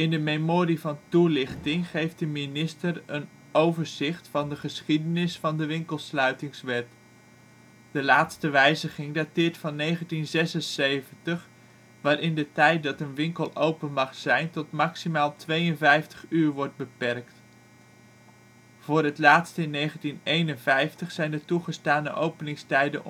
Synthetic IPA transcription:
ɪndəmejmoːɾivɑntulɪχtɪŋχejft̚dəminɪstərən | owvəɹzɪχtfɑndəχəsχidənɪsfɑndəʋɪŋkəlˠslœɥtɪŋsʋɛt | d̥əlaːtstəʋɛjzəχɪŋdatɪːɹtfɑnːejχəntinzɛsənsejvəntəχ | ʋaːɾɪndətɛjt̚dɑtənʋɪŋkəlˠowpənmɑχsɛjntɔtmɑksimaːlˠtʋejənvɛjftə̥χyːɹʋɔɹd̚bəpɛrkt | v̥ʊːrɦətlaːtstəɪnːejχəntinejnənvɛjftəχsɛjndətuχəstaːnə̰ʔowpənɪŋstɛjdə̰n

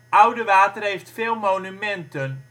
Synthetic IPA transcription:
ʔʌwdəʋaːtərɦejftfeːlˠmoːnymɛntən

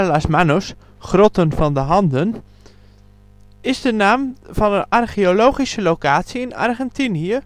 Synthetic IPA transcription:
lasmanos | χrɔtənvɑndəɦɑndən | ɪzdənaːmvɑnənarχiolowχisəlokaːtsiɪna̰rχɛntiniə

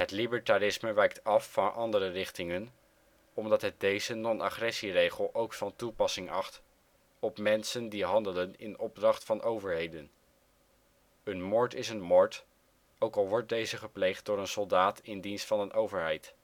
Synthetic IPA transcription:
ɦətlibəɹtaɾɪsməʋɛjk̚tɑfːɑnʔɑndəɾərɪχtɪŋən | ɔmdɑtɦət̚dejzənɔna̰χrɛsirejχəlˠʔowkfɑntupɑsɪŋɑχt | ɔpmɛnsəndiɦɑndələnɪ̰nɔb̚drɑχtfɑnowvəɹɦejdən | ənmɔɹtɪsənmɔɹt | owkɑlˠʋɔɹt̚dejzəχəplejχt̚dʊːɹənsɔlˠdaːtɪndinstfɑnənʔowvəɹɦɛjt

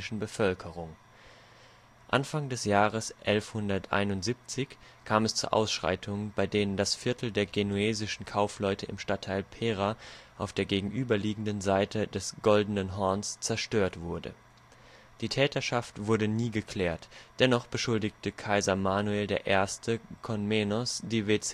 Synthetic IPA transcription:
ɪʃn̩bəfœlkʰəʁʊŋ | ʔanfaŋdɛsjaːʁ̞əsʔɛlfhʊndɐtʔa̰ɪnʊntz̥iːp̚t͡sɪçkʰaːmɛst͡suːɐʔa̰ʊsʃʁ̥a̰ɪtʰʊŋnbaɪdeːnəndasfɪɐtʰl̩deːɐɡenueːzɪʃn̩kʰaʊflɔʏtʰəɪ̰mʃtatʰːaɪlpʰeːʁaʔaʊfd̥eːɐɡeːɡŋ̩ʔyːbɐliːɡŋ̩dənzaɪtʰədɛsɡ̥ɔldən̩ənɦɔɐnst͡sɛɐʃtøːɐtv̥ʊɐdə̰ | d̥iːtʰɛːtɐʃaftv̥ʊɐdəniːɡəkʰl̥ɛːɐtd̥ɛnɔχb̥əʃʊldɪçtəkʰaɪzɐmaːnueːldeːɐʔeːɐstʰəkʰɔnmenɔsd̥eːveːt͡sː

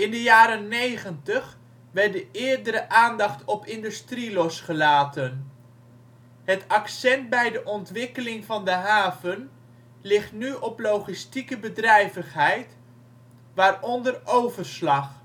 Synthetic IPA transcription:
ɪndəjaːɾənnːejχəntəχ | ʋɛr̚dəʔɪːɹdəɾəʔaːndɑχtɔpɪndystrilɔsχəlaːtən | ɦətɑksɛnt̚bɛjdəʔɔntʋɪkəlɪŋvɑndəɦaːvən | lɪχtnyʔɔplowχistikəbədrɛjvəχɦɛjt | ʋaːrɔndərowvəɹslɑχ

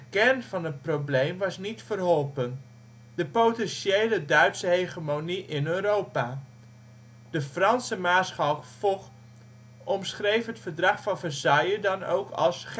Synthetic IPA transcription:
əkɛrnvɑnət̚prowblejmʋɑsnitfərɦɔlˠpən | dəpowtɛnʃejlədœɥtsəɦejχəmoniʔɪnøːrowpaː | d̥əfrɑnsəmaːsχɑwtfɔ | ɔmsχrejfɦətfərdrɑχfɑnvərsɑjədɑno̰wkʰɑ̰lˠsχ

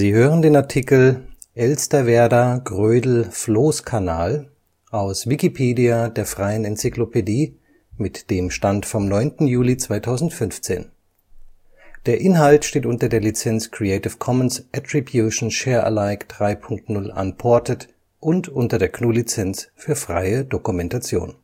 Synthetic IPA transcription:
ziːhøːʁəndeːnaɐtʰikl̩ | ʔɛlstɐvɛɐdaɡʁøːdl̩floːskʰanaːl | ʔaʊsv̥ikipʰeːdiadeːɐfʁ̥aɪənɛnt͡siklopʰediː | mɪtd̥eːmʃtantfɔmnɔʏntn̩juːlit͡sv̥aɪtʰaʊzn̩tfʏnft͡sḛːn | d̥eːɐʔɪnɦaltʃteːtʔʊntɐdeːɐlit͡sɛnt͡skʁ̥ieɪtɪfkʰɔmənsʔatʁ̥ibjuʃn̩ʃɛːɐʔə̰laɪkd̥ʁaɪpʰʊŋktnʊlʔa̰npʰɔɐtət | ʔʊntʔʊntɐdeːɐknuːlit͡sɛnt͡sfyːɐfʁ̥a̰ɪədokumɛntat͡sjo̰ːn

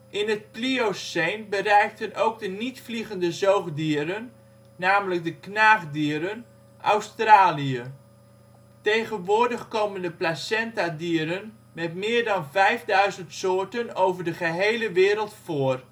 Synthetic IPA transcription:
ʔɪnət̚pliosejnbəɾɛjk̚tənowɡ̚dənitfliɣəndəzowχdiəɾənː | aːmələk̚dəknaːχdiəɾən | ʔa̰wstraːliə | tejχənʋʊːɹdəχkoːməndəplasɛntadiəɾən | mɛtmɪːɹdɑnvɛjvdœɥzəntsoːɹtənowvəɹdəχəɦejləʋɪːɾəlˠtfʊər

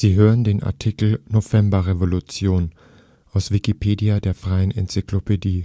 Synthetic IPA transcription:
z̥iːɦøːʁəndeːnʔa̰ɐtʰikl̩novɛmbɐʁevolut͡sjoːn | ʔaʊsv̥ikipʰeːdiadeːɐfʁ̥aɪənɛnt͡siklopʰediː

